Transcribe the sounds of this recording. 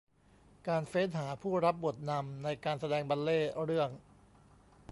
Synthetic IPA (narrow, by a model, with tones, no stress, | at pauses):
kaː˧nfeː˦˥nɦaː˩˦pʰuː˥˩ɾa˦˥p̚bu˨˩t̪̚na˧mna˧jkaː˧nsa˧dɛː˧ŋba˧nleː˥˩ɾɯ˥˩əŋ